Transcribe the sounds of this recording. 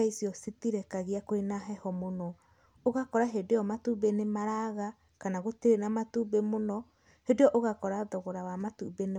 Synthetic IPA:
aisiɔsitiɾɛkaɣiakoenaɦɛhɔmonɔ | oɣakɔɾaɦedeɔmatubenemaɾaɣa | kanaɣotiɾenamatubemonɔ | hedejɔʔoɣakɔɾaðɔɣɔɾawamatubene

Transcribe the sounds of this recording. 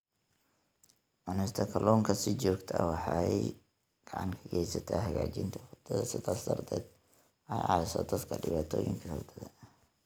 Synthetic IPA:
ʔɔnɛst̪ʰɐkʰɐlɔːŋkʰɐsɪt͡ʃɔːɡt̪ʰɐwɑħɑj | ɡ̥ɑʕɑ̰ŋkʰɐɡɛjsɐt̪ʰaːɦɐɣa̰ːt͡ʃɪnt̪ʰɐfɐt̪ʰːɐðɐsɪd̪aːsd̪ɐrd̪ʰɛːd̪̚ | ɛjʔɑːlɪsɔ̰d̪ɐt̪kʰɐɖɪβaːt̪ʰɔːjɪ̰ŋkʰɐhɐ̰t̪ʰɐðɐ

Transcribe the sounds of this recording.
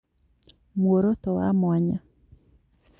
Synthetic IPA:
mwoɾot̪ɔwa̰mwaɲa

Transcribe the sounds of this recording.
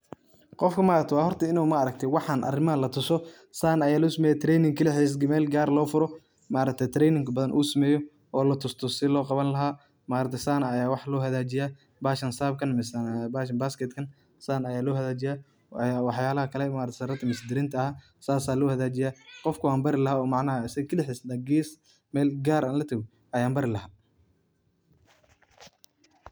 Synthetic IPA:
qɔfkʰɐmaːɾɐk̚t̪ʰwɑːhɔrt̪ʰɐɪnuːmɐɐɾɐk̚t̪ʰɛwɑħɑnʔɐ̰rɪmɐɐlɐt̪ʰʊsɔ | saːnɐjaːluːsɐmɛːjɛt̪ʰɾɛːjnɪŋkʰɪlɛħiːs̬ɡɪmɛːlɡaːrlɔːfʊɾɔ | maːɾɐk̚t̪ʰɛjt̪ʰɾɛːnɪŋkʰɐbɐðɐnʔṵːsɐmɛːjɔ | ɔːlɐt̪ʰʊst̪ʰɔsɪlɔːqɑβɐnlɐɦaː | maːɾɐt̪ʰɛsaːnɐɐjaːwɑħlɔːɦɐðaːt͡ʃɪjaː | baːʃɐnsaːb̚kʰɐnmɪsbaːʃɐnbaːskɛt̪kʰɐn | saːnɐjaːlɔːhɐðaːt͡ʃɪjaː | awɑħjaːlɐhɐkʰɐlɛmaːɾɐt̪ʰːsɾɐt̪ʰɐmɪsd̪ɪɾɪnt̪ʰɐɐha | saːsaːlɔːhɐðaːt͡ʃɪjaːqɔfkʰʊaːmbɐɾɪlɐɦaːɔːmɑʕnɐɦɐɪsɐɣɐkʰɐlɪħɪsd̪aɡiːs | mɛːlɡaːɾʔaːnlɐt̪ʰɐɣɔ | ɐjaːmbɐɾɪlɐɦaː

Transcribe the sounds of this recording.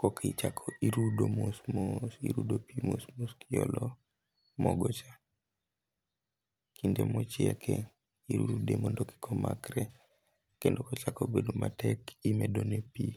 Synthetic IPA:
kokʰit͡ʃakʰoiɾudomosmosḭɾudopimosmoskijɔlɔ | mɔɡɔt͡ʃa | kindemot͡ʃjɛkʰɛ | iɾuɾudemondoki̥kʰɔma̰kɾɛ | kendokot͡ʃakobedumatɛkimedonepi

